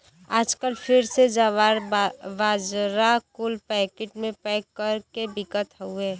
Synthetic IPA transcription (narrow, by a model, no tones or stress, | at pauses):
aːd͡ʒkəlpʰɪɾsed͡ʒaʋaːɾʋaːd͡ʒɾakʊlpɛːkeʈmẽpɛːkəɾkebɪkət̪ɦueː